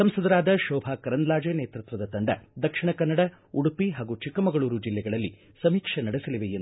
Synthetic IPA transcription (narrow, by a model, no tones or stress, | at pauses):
sɐmsɐd̪ɐɾaːd̪ɐʃɔːbʱaːkɐɾɐnd̪laːd͡ʒeneːt̪ɾut̪ʋɐd̪ɐt̪ɐɳɖɐd̪ɐkʂiɳɐkɐnːɐɽɐ | uɽupiɦaːɡut͡ʃikːɐmɐɡɐɭuːɾud͡ʒilːɛɡɐɭɐlːi | sɐmiːkʂɐnɐɽisɐliʋejend̪